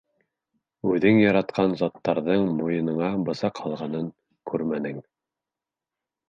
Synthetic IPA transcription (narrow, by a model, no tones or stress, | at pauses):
ʉðɘŋjɑɾɑt̪qɑnzɑt̪ːɑɾðɤɴmujɤ̆nɤ̆ɴɑbɤ̆sɑqhɑlˠʁɑnɤŋ | kʉɾmænɘŋ